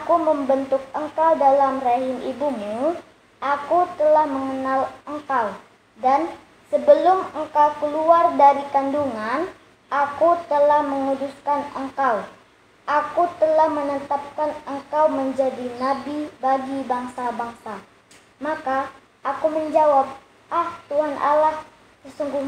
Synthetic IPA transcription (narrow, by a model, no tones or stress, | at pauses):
akuməmbənt̪ʊk̚əŋkawdalamreɦɪmʔibumu | ʔakut̪əlahməŋənaləŋkaw | dan | səbəlʊməŋkawkəluardaɾikanduŋan | ʔakut̪əlahməŋuduskanəŋkaw | ʔakut̪əlahmənət̪ap̚kanəŋkawməɲd͡ʒadinabibaɡibaŋsabaŋsa | maka | ʔːkuməɲd͡ʒawap̚ | ʔaht̪uɦanʔa̰lah | səsuŋɡuɲ